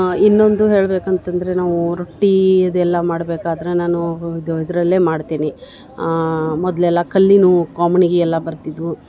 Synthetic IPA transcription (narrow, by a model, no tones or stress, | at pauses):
inːo̞nd̪uɦe̞ːɭbeːkɐnt̪ɐnd̪ɐɾe̞naːʋuɾoʈːiɐd̪ɛlːɐmaːɽbeːkaːd̪ɐɾe̞naːnuid̪id̪ɾɐlːe̞ːmaːɽt̪iːni | mɔd̪lɛlːɐkʰɐlːinukaːmɐniɡeɛlːɐbɐɾt̪id̪ʋu